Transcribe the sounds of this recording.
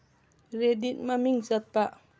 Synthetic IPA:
redit̪̚mamiŋsat̪̚paʔ

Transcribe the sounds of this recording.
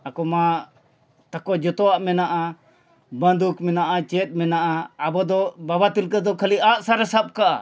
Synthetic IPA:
akɔma | t̪akɔd͡ʒɔt̪ɔaʔmɛnaʔa | bənd̪ukmɛnaʔat͡ʃɛt̪̚ˀmɛnaʔaːbɔd̪ɔbabat̪ilkəd̪ɔkʰəliʔaʔsaɾasap̚kaʔa̰

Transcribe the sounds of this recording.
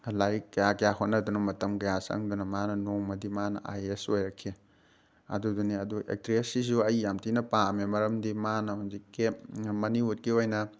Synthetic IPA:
lajkɐjakɐjaɦonːɐdunɐmɐtɐmkɐjasɐ̰ŋdunɐmanɐnoŋmɐdimanɐ̰ʔa̰jesojɾɐkʰːi | ɐ̰duduniɐduʔḛk̚tɾiesizuɐjjamtinɐpamemɐɾɐmdimanɐhunzikːemɐniut̚kiojnɐ

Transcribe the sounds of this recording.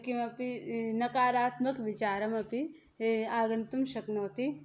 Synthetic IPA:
kimɐpinɐkaːɾaːt̪mɐkʋɪt͡ʃaːɾɐmɐpi | aːɡɐnt̪umʃɐknoːt̪i

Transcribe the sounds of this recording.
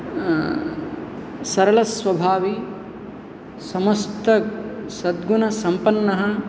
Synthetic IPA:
sɐɾɐlɐsʋɐbʱaːʋi | sɐmɐst̪ɐsɐd̪ɡunɐsɐmpɐnːɐɦɐ̆

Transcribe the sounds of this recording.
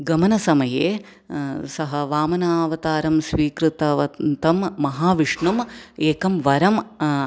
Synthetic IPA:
ɡɐmɐnɐsɐmɐjeː | sɐɦɐʋaːmɐnaːʋɐt̪aːɾɐmsʋiːkɾɨt̪ɐʋɐnt̪ɐmːɐɦaːʋiʂɳumeːkɐmʋɐɾɐm

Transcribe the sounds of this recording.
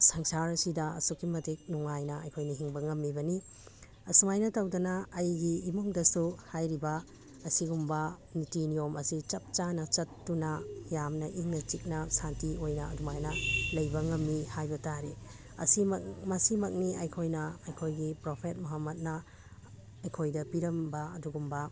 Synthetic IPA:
sɐŋsaɾɐsidɐɐ̰sukːimɐtik̚nuŋajnɐɐ̰jkʰojnɐɦiŋbɐŋɐmːibɐni | ɐsumajnɐtɐwdɐnɐːjɡiːmoŋdɐsuhajɾibɐ | ɐsiɡumbɐ | nitinijomɐsit͡ʃɐp̚t͡ʃanɐt͡ʃɐtːunɐjamnɐʔiŋnɐt͡ʃik̚nɐsantiojnɐːdumajnɐlɐjbɐŋɐmːihajbɐtaɾi | ɐ̰simɐkmɐsimɐk̚niɐjkʰojnɐɐjkʰojɡipɾopʰet̚muɦɐmːɐt̚nɐ | ɐjkʰojdɐpiɾɐmbɐɐ̰duɡumbɐ

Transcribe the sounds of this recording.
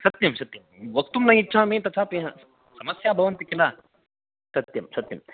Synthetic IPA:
sɐt̪jɐmsɐt̪jɐmʋɐk̚t̪umnɐitːʃʰaːmẽːt̪ɐt͡ʃʰaːpeɦɐ̃ | sɐmɐsjaːbʱɐʋɐnt̪ikilaː | sɐt̪jɐmsɐt̪jɐ̰m

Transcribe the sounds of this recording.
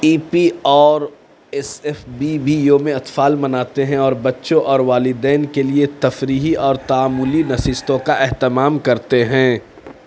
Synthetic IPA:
iːpiɔːɾ | ɛsɛfbibʱijomẽɐt̪faːlmɐnaːt̪eɦɛ̃ɔːɾbɐtːʃõʔɔːɾʋaːlɪd̪ɛːnkeliet̪ɐfɾiːɦiʔɔːɾt̪aaːmːʊlinɐsɪst̪õkaʔɛɦt̪ɪmaːmkɐɾt̪eɦɛ̃ː

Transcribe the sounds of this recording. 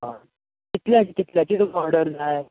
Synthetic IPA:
ɦã | kit̪ljat͡ɕikit̪ljat͡ɕit̪obɔɾɽəɾd͡zae

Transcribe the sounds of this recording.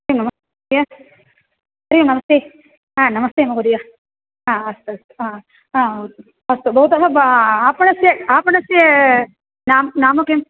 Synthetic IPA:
ɐɾijumnɐmɐst̪e | ija | ɐɾijumnɐmɐst̪eː | ãːnɐmɐst̪eːmɐɣud̪ija | aːɐst̪uɐst̪u̥a | a | ɐst̪ubɐɦut̪ɐɦɐbaːpɐɳɐsjeaːpɐɳɐsje | naːmnaːmɐkem

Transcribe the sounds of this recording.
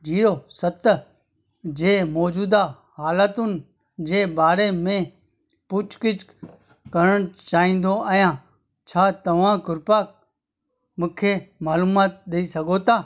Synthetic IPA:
d͡ʒiːɾoːsət̪ | d͡ʑeːmɔːd͡ʒuːd̪a | haːlət̪ʊnɪ̆ | d͡ʑeːbaːɾemẽ | pʊt͡ʃkɪt͡ʃ | kəɾəɽ̃t͡ʃaːɦĩːn̆d̪oajãː | t͡ʃʰaːt̪ɐʋ̤ãːkʊɾpaːk̚ | mʊ̃ːkʰeːmaːluːmaːt̪̚ɗ̪eisɐɡʱot̪ʰaː

